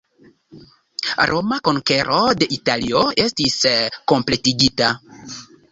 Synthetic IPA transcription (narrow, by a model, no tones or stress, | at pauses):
ɾʔomako̞ŋke̞ɾʔo̞de̞ʔitalioestisko̞mple̞tiɡita